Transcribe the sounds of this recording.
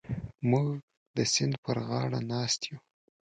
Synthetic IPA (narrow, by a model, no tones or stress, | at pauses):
muɡ | d̪əsɪnd̪pəɾɣɑɽanɑst̪ju